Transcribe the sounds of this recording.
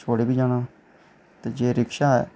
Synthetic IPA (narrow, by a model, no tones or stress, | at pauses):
t͡ʃʰoːɽeːbiːd͡ʒaːnaː | t̪eːd͡ʒeːɾɪkʃaːɛ